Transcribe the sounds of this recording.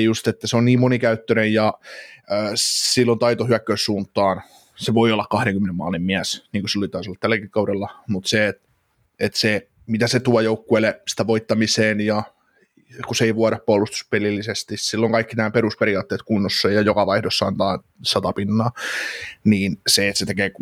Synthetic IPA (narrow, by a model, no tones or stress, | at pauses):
just̪et̪ːæseonniːmmonikæyt̪ːønejjɑː | silːont̪ɑit̪ohyækːøːssuːnt̪ːɑːn | seʋoiolːɑkkɑhɾeŋkymːenemːɑ̰ːlimmiæsniːŋkusilːolit̪ɑisolːɑt̪tælːækikkɑwɾelːɑmut̪seːt̪ | et̪se | mit̪æset̪uɑjoukːuelesi̥t̪æʋoit̪ːɑmiseːnjɑ | kuseiʋuɑɾɑppoɑlːˑust̪u̥spelilːisest̪issilːoŋkɑikːinæːpeɾuspeɾiɑːt̪ːeːt̪kunːosːɑjjɑjokɑʋɑihdosːɑ̰ːnt̪ɑːn | sɑt̪ɑpinːɑː | niːnseːt̪set̪ekeːk